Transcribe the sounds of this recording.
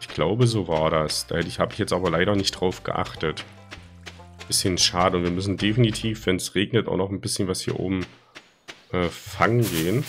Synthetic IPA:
ʔɪçɡ̥laʊbəzoːvaːɐɾasd̥aɛtɪçhaːbəɪçjɛt͡stʔaːbɐlaɪɾɐnɪçt̚d̥ʁaʊfɡ̥ə̰ʔa̰χtət | b̥ɪsçənʃaːdəʊntv̥iːɐmʏsn̩definitʰiːfvɛnsʁeːɡnətʔa̰ʊnɔχn̩bɪsçənvashiːɐʔo̰ːbm̩ | ʔɛːfaŋənɡeːən

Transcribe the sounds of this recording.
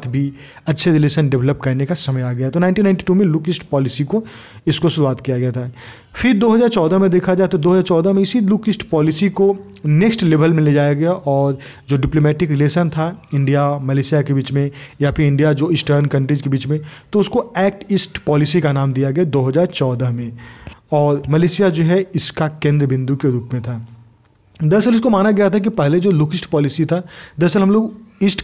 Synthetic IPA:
t̪ʰbʱi | ɐtːʃʰeɾɪleːʃənɖɪʋləp̚kɐɾnekasɐməjaːɡɐjaɦɛt̪onãːɪnʈiːnãɪ̃ɳʈi̥ʈuːmẽluːkɪsʈpɔːlɪsiko | ɪskoʃʊɾuaːt̪kijaɡɛjat̪ʰaɦɛ | fʰɪɾd̪oːɦɐzaːɾt͡ʃɔːd̪amẽd̪eːkʰad͡ʒaːt̪od̪oːɦɐzaːɾt͡ʃɔːd̪amẽɪsiluːkɪsʈpɔːlɪsiko | neksʈleːʋəlmeled͡ʒaːjaɡɐjaʔɔːɾ | d͡ʒoːɖɪploːmɛːʈɪkɾɪleːʃənt̪ʰaɪ̃ɳɖijamɐleːsijakebiːt͡ʃmẽjapʰɪɾɪ̃ɳɖijad͡ʒoːɪsʈəːɾnkɐ̃ɳʈɾid͡ʒkebiːt͡ʃmẽt̪oʊskoɛːk̚ʈɪsʈpɔːlɪsikanaːmd̪ijaɡɐjad̪oːɦɐzaːɾt͡ʃɔːd̪əɦmẽɔːɾmɐleːsijad͡ʒoːɦɛɪskakẽːnd̪ɾəbɪ̃nd̪ukeɾuːpmẽt̪ʰaː | d̪ɐsəlɪs̬komaːnaɡɐjat̪ʰak̬ipɛɦled͡ʒoːluːkɪsʈpɔːlɪsit̪ʰad̪ɐsəlɦɐmloːɡɪsʈ

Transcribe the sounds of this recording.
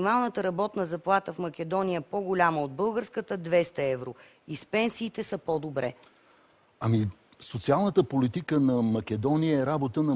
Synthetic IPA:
imalˠnət̪əɾɐbɔt̪nəzɐplˠat̪əfmɐkɛd̪ɔnijəpoɡʊlʲaməod̪̚bɤlˠɡəɾskət̪əd̪vɛst̪əɛvɾo | ispɛnsiːt̪ɛsəpɔd̪obɾɛ̰ | ɐmi | sot̪sialˠnət̪əpolit̪ikənɐmɐkɛd̪ɔniəɛɾabot̪ənɐ

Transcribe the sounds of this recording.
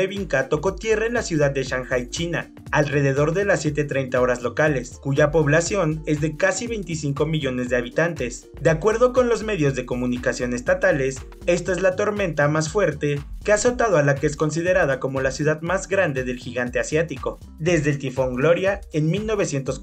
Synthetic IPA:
eβiŋkat̪o̞ko̞t̪je̞raenlasjuðad̪̚ːe̞ʃaŋxajt͡ʃina | alre̞ð̞e̞ð̞o̞ɾðe̞lasːje̞t̪̬et̪ɾe̞jnt̪ao̞ɾazlo̞kale̞skuʝapo̞βlasjo̞ne̞zðe̞kasiβe̞jnt̪isiŋko̞miʝo̞ne̞zðeaβit̪ant̪e̞s | d̪eakwe̞ɾðo̞ko̞nlo̞zme̞ðjo̞zðe̞ko̞mũnikasjo̞ne̞st̪at̪ale̞s | e̞st̪ae̞zlat̪o̞ɾmẽ̞nt̪amasfwe̞ɾt̪e̞ke̞aso̞t̪aðoalakees̬ko̞ns̬iðe̞ɾaðako̞mo̞lasjuð̞aðmazɣɾand̪e̞ðe̞lxiɣant̪e̞asjat̪iko̞ | ðe̞zðelt̪ifo̞ŋɡlo̞ɾjae̞nmilno̞β̞e̞sje̞nt̪o̞s

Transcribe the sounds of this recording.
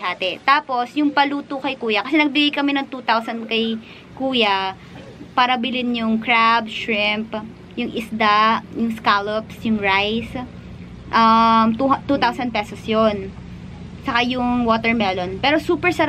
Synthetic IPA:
aːt̪ɛt̪aːpo̞sjʊŋpɐluːt̪ʊkɐjkuːjɐkɐsɛnɐɡ̚bɪɡajkɐmɛnɐŋt̪uːt̪awsɐnd̪kɐj | kuːjɐ | paːɾɐbɪlɪnjʊŋkɹabʃɹɪmp | jʊŋʔɪsd̪ajʊŋskalopsjʊŋɹajs | ʔɐmt̪uht̪uːt̪awsɐnd̪̚pɛːsosjon | sɐkajʊŋwoːt̪ɛɹmɛlonpɛːɾosuːpɛɹsɐ

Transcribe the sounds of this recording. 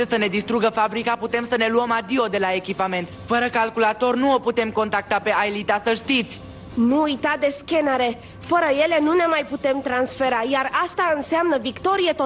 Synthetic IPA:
esəne̞d̪ist̪ɾuɡəfabɾikaput̪emsəne̞luəmad̪io̞d̪e̞lae̞kʲipame̞nt̪fəɾəkalkulat̪o̞rnuoput̪e̞mko̞nt̪ak̚t̪ape̞ʔajlit̪asəʃt̪it̪sʲ | nuujt̪ad̪e̞skʲe̞naɾe̞ | fəɾəje̞le̞nune̞majput̪e̞mt̪ɾansfe̞ɾajarast̪aɨnseamnəvikt̪o̞ɾijet̪o

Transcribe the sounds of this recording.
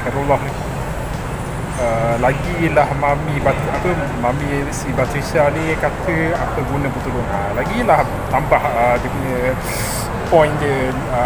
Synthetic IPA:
kaɾulahni | əlaɡilahmamibat̪apə | mãmĩsibat̪ɾisianikat̪ʰəapəɡunə̃bət̪ulʊnalaɡilah | t̪ambahədiəpuɲə̃ | pɔjnd͡ʒə

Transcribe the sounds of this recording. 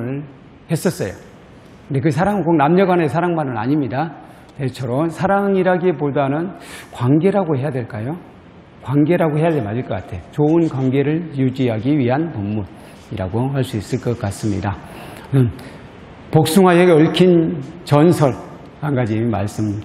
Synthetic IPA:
ɯɭ | he̞s͈ʌts͈ʌjo̰ | ɯndek̬ɯsʰaɾaŋɡoŋnamɲʌɡwanesʰaɾaŋmanɯna̰ɲimɲida | tet͡ɕʰʌɾʌmsʰaɾaŋiɾaɡepodanɯnkwaŋɡe̞ɾaɡohe̞jadwe̞ɭk͈ajo | kwaŋɡe̞ɾaɡoɦe̞jademaɕiɭk͈ʌk͈atʰe̞jot͡ɕoɯnkwanɡe̞ɾɯɭjud͡ʑiɦaɡiɥiɦanpomːun | iɾa̰ɡohaɭs͈uis͈ɯɭk͈ʌk͈as͈ɯmɲḭda | nɯn | pok̚s͈uŋɦajeʌɭkʰint͡ɕʌnsʰʌɭ | kanɡad͡ʑima̰ɭs͈ɯm

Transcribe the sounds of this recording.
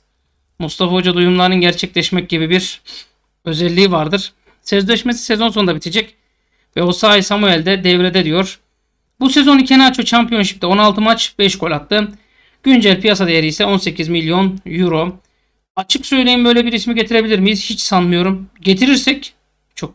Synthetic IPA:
must̪ʰafaod͡ʒad̪ujumlˠaɾnɯnɟæɾt͡ʃʰɛclʲɛʃmɛc̚ɟibibiɾ | ø̞zɛlʲːiːvaɾd̪ɯɾ̥ | sɛzlʲɛʃmesi̥sezonso̞d̪abit̪ʰed͡ʒɛc | vɛosaːjsamuɛlʲd̪ɛd̪ɛvɾed̪ɛd̪ijo̞ɾ̥ | buse̞zo̞nicʰenat͡ʃʰot͡ʃʰampʰijo̞nʃi̥pt̪io̞nalˠt̪ʰɯmat͡ʃb̥ɛʃkʰo̞lʲat̪ːɯ | ɟ̥ynd͡ʒɛlʲpʰijasad̪ejeɾijsɛo̞nse̞cʰizmilʲijo̞njuɾo̞ | at͡ʃʰɯksø̞jlʲejimbø̞jlʲebiɾismiɟe̞t̪ʰiɾe̞bilʲiɾmijizhit͡ʃsanmɯjo̞ɾumɟe̞t̪ʰiɾiɾsɛc | t͡ʃʰo̞k̚

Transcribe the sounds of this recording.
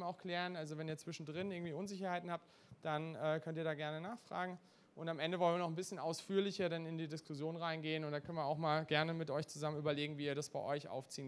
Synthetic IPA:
maʊxkl̥ɛːʁənʔalzovɛniːɐt͡sv̥ɪʃn̩dʁɪnʔɪɐŋ̩tiːʔʊnzɪçɐhaɪtn̩hap̚t | d̥anɛːkʰœntiːɐɾaːɡɛɐnənaːχfʁ̥a̰ːɡŋ̩ | ʔʊntamʔɛndəvɔlnviɐnɔχn̩bɪsçənaʊsfyːɐlɪçɐdanɪndiːdɪskʰʊsjoːnʁaɪnɡeːənʊntd̥aːkʰœnviɐaʊxmaːlɡɛɐnəmɪtʔɔʏçt͡suzamənʔyːbɐleːɡŋ̩viːɐɾasb̥a̰ɪʔɔʏçʔa̰ʊft͡siːn

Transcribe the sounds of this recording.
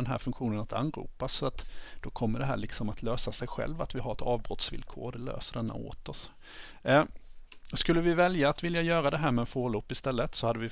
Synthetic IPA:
ɛnɦæ̰ːɾfɵŋkɧuːnənat̪ʰa̰nːɾṵːpasɔat̪d̪̥ɔkʰɔmːəɖɛɦæːɭɪksɔmat̪ʰløːsasɛjɧɛ̰lvat̪vɪɦaɾɛt̪ʰɑːvbɾɔt̪svɪ̰lkʰo̰ːɾd̪ɛlø̰ːsəɖɛnːa̰o̰ːt̪ɔs | skɵlːəvɪvɛljaːt̪vɪljajœːɾad̪ɛɦæːɾmɛɛnfoːlopːɪst̪ɛlːət̪sɔhad̪ːəvɪ

